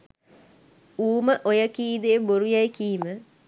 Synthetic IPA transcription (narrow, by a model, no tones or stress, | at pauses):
uːməʔojəkiːd̪eːboɾujajkiːmə